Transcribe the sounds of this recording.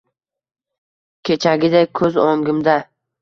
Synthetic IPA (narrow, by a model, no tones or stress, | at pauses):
kʲʰe̞t͡ʃʰaɡʲɪd̪ajkʰɵzoŋɡɪmd̪a